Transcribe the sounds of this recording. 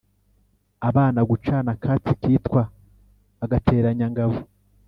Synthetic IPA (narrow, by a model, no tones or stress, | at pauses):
aβaːnaɡut͡ʃanakʰaːt͡sikiːtkwaː | ɡate̞ːɾaɲaŋɡaβu